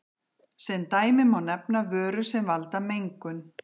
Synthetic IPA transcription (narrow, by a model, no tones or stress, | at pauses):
sɛnt̪aːjmɪmawnɛpnavœːɾʏsɛmvalt̪amejŋkʏn